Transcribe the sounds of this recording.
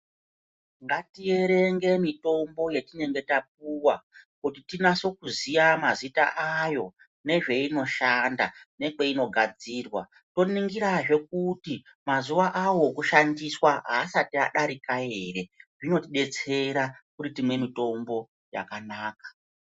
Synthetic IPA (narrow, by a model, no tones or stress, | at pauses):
ŋɡatije̞ɾe̞ŋɡe̞mito̞mbo̞je̞tine̞ŋɡe̞tap̚uwakutitinaso̞kuzijamazita̰ʔajo̞ | ne̞ʐe̞ino̞ʃandane̞ke̞ino̞ɡʱad͡ziːrwa̰ | to̞niŋɡiɾaʐe̞k̚uti | mazuʋaʔawo̞kuʃandiswaɦaːsatia̰ɗaɾikae̞re̞ʐino̞tiɗe̞t͡se̞ɾakuɾitimwe̞mito̞mbo̞ | ja̰kanaːkḁ